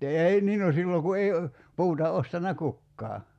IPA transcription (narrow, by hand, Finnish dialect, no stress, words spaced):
ei niː no silːoŋ ku ei puːtɑ ostɑnːɑ kukːɑː